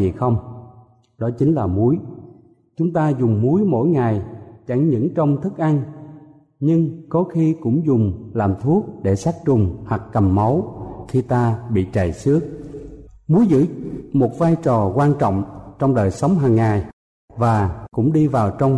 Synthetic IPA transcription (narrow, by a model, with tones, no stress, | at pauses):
i˨˩xə˧wŋ͡m | ɗɔ˨˦t͡ɕï˨˦ŋ̟laː˨˩mu˨˦j | t͡ɕʊ˨˦ŋ͡mt̪aː˧zʊ˨˩ŋ͡mmu˨˦jmo̰˧˥jŋa˨˩jt͡ɕa˧˩ŋɲɨ̰˧˥ŋt͡ɕɔ˧wŋ͡mt̪ʰɨ˦˥k̚ʔa˧ŋ | ɲɨ˧ŋkɔ˨˦xi˧kʊ̰˧˥ŋ͡mzʊ˨˩ŋ͡mlaː˨˩mt̪ʰu˦˥ək̚ɗe˧˩saː˦˥k̚t͡ɕʊ˨˩ŋ͡mhwa˨˩k̚kə˨˩mmə˨˦wxi˧t̪aː˧ɓḭ˧˨t͡ɕə˨˩jsɨ˦˥ək̚ | mu˨˦jzɨ̰˧˥mo˨˩t̚vaː˧jt͡ɕɔ˨˩kwaː˧nt͡ɕɔ̰˧˨wŋ͡mt͡ɕɔ˧wŋ͡mɗəː˨˩jsa˨˦wŋ͡mɦaː˨˩ŋːaː˨˩j | vaː˨˩kʊ̰˧˥ŋ͡mɗi˧vaː˨˩wt͡ɕɔ˧wŋ͡m